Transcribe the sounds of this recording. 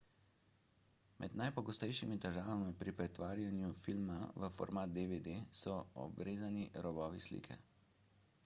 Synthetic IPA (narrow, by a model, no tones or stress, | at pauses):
mʔɛ̰d̪najpɔɡɔst̪ɛjʃimit̪ɛʒaːʋamipɾipɾɛt̪ʋaːɾjanjufilmaʋəfɔ̰ɾmaːt̪̚d̪eʋed̪esɔɔ̰bɾeːzaniɾɔbɔːʋislḭːkʰɛ̰